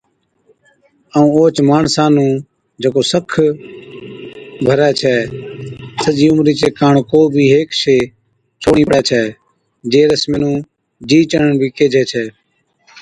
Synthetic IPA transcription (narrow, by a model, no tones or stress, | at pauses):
əũːoːt͡ʃmaːɳsãːnũː | d͡ʒeːkoːsəkʰ | bʱəɾɛːt͡ʃʰɛː | səd͡ʒiːʊmɾiːt͡ʃeːkaːɳkoːbʱiːɦeːkʃeː | t͡ʃʰoːɳiːpəɽɛːt͡ʃʰɛː | d͡ʒeːɾəsmeːnũː | d͡ʒiːt͡ʃəɳɳbʱiːkeːd͡ʒʱɛːt͡ʃʰɛː